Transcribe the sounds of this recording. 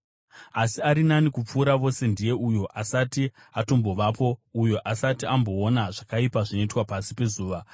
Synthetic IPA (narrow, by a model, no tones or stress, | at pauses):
asiaɾinanikup͡fuːɾaʋo̞se̞ndije̞ujo̞ʔasati | ato̞mboʋaːpo̞ujo̞ʔasatiambo̞ːnaʐakaipaʐino̞itwapasipe̞zuːʋa